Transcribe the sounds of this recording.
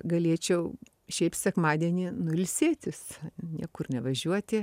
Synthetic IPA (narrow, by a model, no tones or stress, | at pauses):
ɡɐlʲiɛt͡ʃʲɛʊ | ʃʲɛɪptsʲɛkmɑːd̪ʲiɛnʲɪnʊɪlʲsʲeːt̪ʲʊsnʲiɛkʊrnʲɛʋɐʒʲuɔt̪ʲɪ